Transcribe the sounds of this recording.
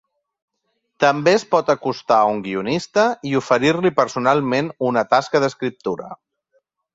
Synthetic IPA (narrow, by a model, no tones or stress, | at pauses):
t̪əmbeəspɔt̪əkust̪auŋɡiunist̪əiufəɾiɾlipəɾsunalˠmenunət̪askəðəskɾip̚t̪uɾə̰